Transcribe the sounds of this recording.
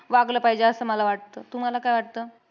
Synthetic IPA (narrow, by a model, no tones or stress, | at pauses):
ʋaɡləːpaɦjd͡ʑaəsəːməlaʋaʈ̚t̪əːt̪um̤alakajʋaʈ̚t̪əː